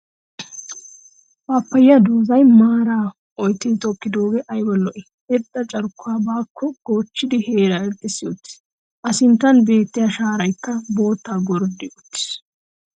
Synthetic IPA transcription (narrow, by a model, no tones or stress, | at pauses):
baːpːɐjːɐd̪oːzɐjmaːɾaː | ɔjt̪ːɪt̪ɔkːɪd̪o̞ːɡɛʔɐjbɔlːɔʔɪ | ɛɾd̪ːɐt͡ʃʼɐɾkːʊaːbaːkʰːɔɡ̥oːt͡ʃːɪd̪ɪheːɾaɛɾt̪ːɪsːɪjot̪ːɪ̥ | ʔɐsɪnt̪ːɐnbe̞ːt̪ːɪjɐʃaːɾɐjkːɐbo̞ːt̪ːaːɡɔɾd̪ɪʔʊt̪ːɪ̥s